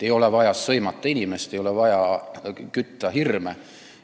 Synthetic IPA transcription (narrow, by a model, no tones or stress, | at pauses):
ejo̞levɑjɑsːɤjmɑt̪ˑːɑinʲimest̪ejo̞levɑjɑkyt̪ːˑɑɦirme